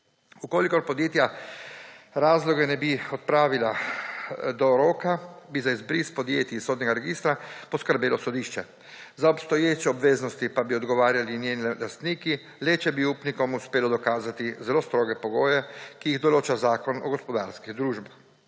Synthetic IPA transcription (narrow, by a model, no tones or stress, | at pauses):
ukoːlikɔɾpɔd̪jeːt̪ja | ɾaːzlɔɡɛnɛbiɔt̪̚pɾaːʋila | d̪ɔɾoːkabizaizbɾispɔd̪jḛːt̪jisoːd̪nʲɛɡaɾɛɡiːst̪ɾapɔskəɾbeːlɔsɔd̪iːʃt͡ʃɛ | zaɔpst̪ɔjeːt͡ʃɛɔbʋeːznɔst̪ipabiɔd̪ɡɔʋaːɾjalinjeːnilɛlast̪niːki | lɛt͡ʃɛbiuːpnikɔmuspeːlɔd̪ɔkaːzat̪izɛloːst̪ɾoːɡɛpɔɡoːjɛkijiɣd̪ɔloːt͡ʃazaːkɔnɔ̰ɡɔspɔd̪aːɾskiɣd̪ɾuːʒbax